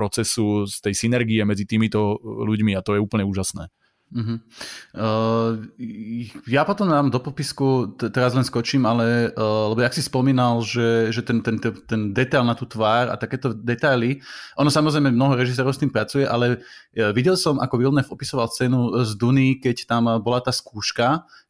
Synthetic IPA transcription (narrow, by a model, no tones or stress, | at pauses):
pɾɔt͡sɛsust̪ɛjsinɛɾɡiɛmɛd͡zit̪iːmit̪ɔluɟmiat̪ɔjɛuːpl̩ɲɛuːʒasnɛ̰ː | ɦm̩ | japɔt̪ɔmd̪aːmd̪ɔpɔpiskut̪ɛɾazlɛnskɔt͡ʃiːmalɛlɛbɔjakɔsispɔmiːnalʒɛʒɛt̪ɛnt̪ɛnt̪ɛt̪ɛnd̪ɛt̪ajlnat̪uːt̪ʋaːɾa̰t̪akɛːt̪ɔd̪ɛt̪ajliʔɔnɔsamɔzɾɛjmɛmnɔɦɔɾɛʒis̬ɛːɾɔʊst̪iːmpɾat͡sujɛʔalɛʋiɟɛlsɔmʔa̰kɔʋilnɛfɔpisɔʋalˠst͡sɛːnuzd̪unikɛct̪ambɔlat̪aːskuːʃka